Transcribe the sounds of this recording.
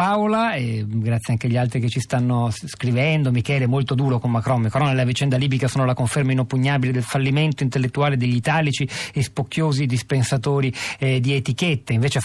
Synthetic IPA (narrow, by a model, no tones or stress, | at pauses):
awlaeɡɾat̪sjaŋk̟eʎːalt̪ɾiket͡ʃːist̪anːoskɾivɛnd̪omikɛːleɛmolt̪od̪uːɾokomːakɾɔmːekɾɔnelːavit͡ʃɛnd̪aliːbikasoːnolakoɱfermainopːuɲːaːbiled̪elfalːiment̪oint̪elːet̪ːuaːled̪eʎːit̪aːlit͡ʃiespokːjoːzid̪ispensat̪oːɾid̪iet̪iket̪ːeiɱveːt͡ʃe